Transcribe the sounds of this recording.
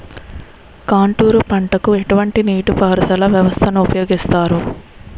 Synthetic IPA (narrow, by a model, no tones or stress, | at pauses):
kaːɳʈuːɾupɐɳʈɐkueʈuʋɐɳʈiniːʈupaːɾɐt̪ɐlɐʋjɐʋɐst̪ʰɐnuupɐjoːɡist̪aːɾu